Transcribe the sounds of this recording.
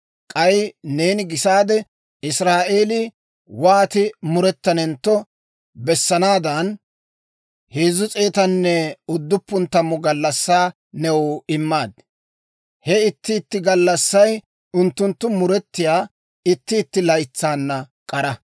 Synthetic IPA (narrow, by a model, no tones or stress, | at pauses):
kʼɐjne̞ːnɪɡɪsaːd̪ɛ | ɪsɾaːʔeːlɪ | waːt̪ɪmʊɾɛt̪ːɐnɛnt̪ːɔ | bɛsːɐnaːd̪ɐn | heːzʊt͡sʼe̞ːt̪ɐnːɛʊd̪ːʊpːʊnt̪ːɐmɔɡɐlːɐsːaː | nɛwɔɪmːaːd̪̚ | hɛɪt̪ːɪːt̪ːɪɡɐlːɐsːɐj | ʊnt̪ːʊnt̪ːʊmʊɾɛt̪ːɪjaː | ɪt̪ːɪːt̪ːɪlɐjt͡sːaːnːɐ | kʼɐɾɐ